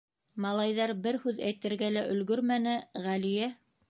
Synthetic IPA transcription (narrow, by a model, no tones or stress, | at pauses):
mɑlˠɑjðɑɾbɘɾhʉðæjt̪ɘ̆ɾɡælæʔɵ̆lɡɵɾmænɘʁælijæ